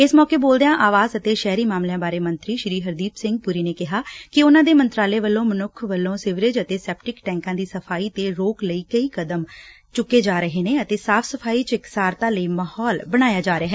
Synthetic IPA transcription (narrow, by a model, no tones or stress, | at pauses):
ɪsmɔːkeːboːld̪ejãːʔaːʋaːzət̪eːʃɛːɾiːmaːmlejãːbaːɾeːmə̃nt̪ɾiːʃɪɾiːɦəɾd̪iːpsɪ̃ŋɡ̚puɾiːneːkɪɦaːkɪʊnãːd̪eːmənt̪ɾaːleːʋəlːõːmənʊkʰʋəlːõːsɪʋɾɪd͡ʒət̪eːsɛːp̚ʈɪkʈɛ̃ːŋkãːd̪iːsəpʰaːiːt̪eːɾoːkləiːkəiːkəd̪əm | t͡ʃʊkːeːd͡ʒaːɾəɦeːneːət̪eːsaːpʰsəpʰaːiːt͡ʃɪksaːɾt̪ãːləiːmaːhɔːlbəɽ̃aːjaːd͡ʒaːɾəaɦɛː